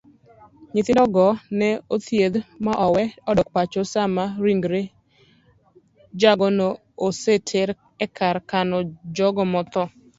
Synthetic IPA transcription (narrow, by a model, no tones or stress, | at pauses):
ɲɪt̪ɪdɔɡɔnɛot̪jed̪maʔɔwɛɔdɔk̚pat͡ʃosamaɾiŋɡɾe | d͡ʒaɡɔno | osetʰeɾ | ɛkʰaɾkanɔd͡ʒɔɡɔmɔt̪ɔ